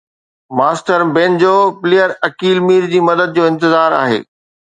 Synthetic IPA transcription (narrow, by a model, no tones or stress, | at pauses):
maːsʈəɾbẽnd͡ʑoːpɪleːjəɾɐkiːlmiːɾd͡ʑiːmɐd̪əd̪̚d͡ʑoːɪ̃nt̪ɪzaːɾa̰ːɦḛː